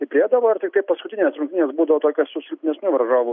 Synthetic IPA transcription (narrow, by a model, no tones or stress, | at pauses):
ɪpʲɾʲɪeːd̪ɐʋoːɐɾt̪ʲɪkt̪ɐɪpɐskʊt̪ʲɪnʲeːsɾʊŋʲktʲɪnʲeːsbuːd̪ɐʋoːt̪oːkʲɛssʊsʲɪlʲpʲnʲɛsʲnʲʊʋɐɾʒoːʋʊ